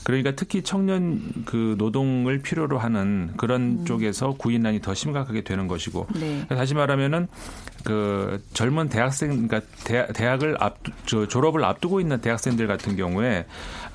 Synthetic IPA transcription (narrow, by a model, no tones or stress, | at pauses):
kɯɾʌɲik͈atʰɯkʰit͡ɕʰʌŋɲʌnkɯnodoŋɯɭpʰiɾjoɾoɦanɯnkɯɾʌnt͡ɕ͈oɡe̞sʰʌkuinːaɲitʌɕʰimɡakʰaɡe̞dwe̞nɯnɡʌɕʰiɡo̰neetaɕ̬ʰimaɾamjʌnɯnkɯt͡ɕʌɭmunte̞ɦak̚s͈e̞ŋk͈atete̞ɦaɡɯɭa̰pt͡ɕʌt͡ɕoɾʌbɯɭa̰p̚t͈uɡoinːɯnte̞ɦak̚s͈e̞ŋdɯɭɡatʰɯnɡjʌŋue̞